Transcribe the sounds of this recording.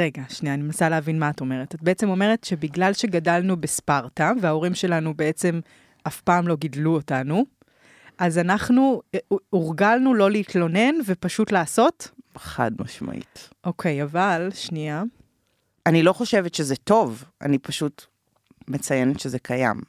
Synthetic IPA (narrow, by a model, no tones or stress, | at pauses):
ʁeɡaʃniaːnimnasaleɦavinmaːto̞me̞ʁetat̚beet͡se̞mo̞me̞ʁetʃe̞biɡlalʃe̞ɡadalnubespaʁtaveao̞ʁimʃe̞lanube̞et͡se̞m | afpaːmlo̞ɡidluotanu | ʔazanaχnuuʁɡalnulo̞liːtlo̞ne̞nve̞paʃutlaːso̞tχa̰dma̰ʃma̰ʔḭtʔo̞kʰe̞javalʃnia | anilo̞χo̞ʃe̞vetʃezɛto̞va̰nipaʃut | met͡sajenetʃezekʰaja̰m